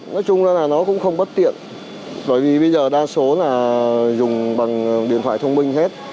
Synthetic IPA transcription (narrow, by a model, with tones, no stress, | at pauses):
nɔ˨˦jt͡ɕʊ˧ŋ͡mzaː˧naː˨˩nɔ˨˦kʊ̰˧˥ŋ͡mxə˧wŋ͡mɓə˦˥t̚t̪ḭ˧˨ən | ɓə̰ː˧˩jvi˨˩ɓə˧jzəː˨˩ɗaː˧so˨˦laː˨˩zʊ˨˩ŋ͡mɓa˨˩ŋɗḭ˨˧˨ənt̪ʰwa̰ː˧˨jt̪ʰə˧ŋ͡mmï˧ŋ̟he˦˥t̚